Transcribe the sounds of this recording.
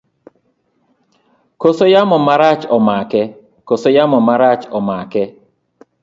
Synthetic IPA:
kosojamɔmaɾat͡ʃɔmakɛ | kosojamɔmaɾat͡ʃɔmakɛ

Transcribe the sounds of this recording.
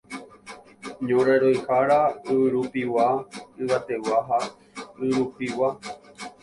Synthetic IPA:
ɲõɾaɾojhaɾaɨɨɾupiwaɨwat̪ewaɦa | ɨɾupiwa

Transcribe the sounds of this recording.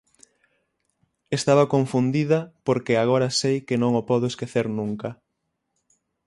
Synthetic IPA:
est̪aβakoɱfund̪iðɐpoɾkeaɣoɾɐsejkenõŋopɔðʊeskeθeɾnũŋkɐ

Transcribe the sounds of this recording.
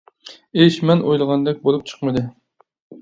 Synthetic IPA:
eʃmɛnʔojlˠəʁɑnd̪ɛk̚ʲbolˠup̚t͡ʃʰə̥χmɨd̪ɨ

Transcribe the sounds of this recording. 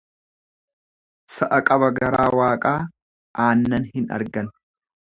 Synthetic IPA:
sɐʔɐkʼɐbɐɡɐɾaːwaːkʼaː | ʔaːnːɐnhɪnɐ̰ɾɡɐn

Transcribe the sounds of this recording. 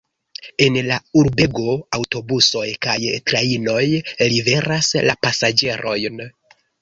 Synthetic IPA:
e̞nlauɾbe̞ɡo̞awto̞buso̞jkajtɾaino̞jlive̞ɾaslapasad͡ʒe̞ɾʔo̞jn

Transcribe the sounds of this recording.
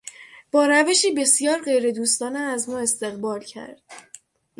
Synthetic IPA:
b̥ɒːɾæve̞ʃiːbe̞sijɒːɾɢe̞jɾe̞d̪uːst̪ɒːneæzmɒːe̞st̪e̞ɣbɒːlcʰæ̰ɾd̪̥

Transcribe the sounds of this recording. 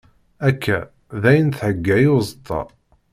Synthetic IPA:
ækʰːæ | ðæjənθʕəɡːæjuzˤət̪ʰˤːɑ̰

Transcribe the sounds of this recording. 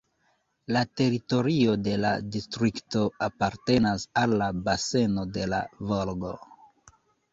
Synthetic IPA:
late̞ɾito̞ɾio̞de̞la̰distɾikto̞apaɾte̞nasalːabase̞no̞de̞la̰volɡo̞̰

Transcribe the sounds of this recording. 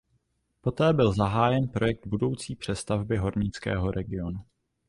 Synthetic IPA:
po̞t̪ɛːbɪlzaɦaːjɛnpɾo̞jɛk̚d̪̚budo̞wt͡siːpr̥ɛst̪avbɪɦo̞ɾɲɪt͡skɛ̰ːɦo̞ɾʔɛɡɪo̞nu

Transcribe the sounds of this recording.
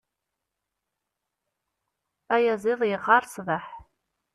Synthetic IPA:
ajaziljʁarsvaħ

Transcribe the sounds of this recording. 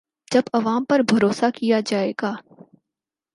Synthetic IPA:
d͡ʒɐbɐʋaːmpɐɾbʱɐɾoːsakijad͡ʒaːeːɡaː

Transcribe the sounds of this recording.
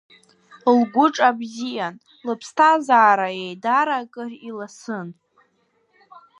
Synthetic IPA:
lɡʷʊʈ͡ʂʼabzijan | lɨpʰstʰazaːɾajejdaɾakʼɨrilasɨn

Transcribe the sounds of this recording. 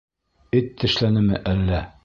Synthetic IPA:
ɘt̪ːɘ̆ʃlænɘmɘʔælːæ

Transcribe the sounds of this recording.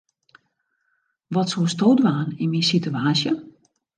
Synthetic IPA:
ʋɔtsostoːdʋaːninminsityaːsjə

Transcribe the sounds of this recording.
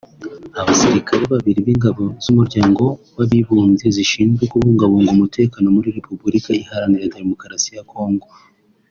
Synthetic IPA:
aβasiɾikʰaɾeβaβiɾiβiŋɡaβo̞z̥umuɾɟaːŋɡo̞waβiβuːnze̞ziʃiːnukuβuːŋɡaβo̞ŋɡoumute̞ːkano̞muɾiɾe̞pubuɾikaihaɾaniɾade̞mo̞kɾasijako̞ːŋɡo̞

